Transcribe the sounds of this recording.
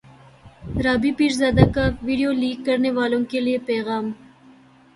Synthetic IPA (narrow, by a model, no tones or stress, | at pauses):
ɾɑːbipiɾzɑːd̪akawiɖijolikːəɾniwɑːluŋkelepeɣɑːm